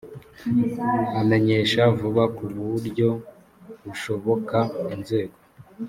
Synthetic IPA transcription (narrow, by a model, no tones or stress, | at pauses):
ame̞ɲe̞ʃavuβakuɾβuɾɟo̞ | ɡuʃo̞βo̞kainze̞ːɡo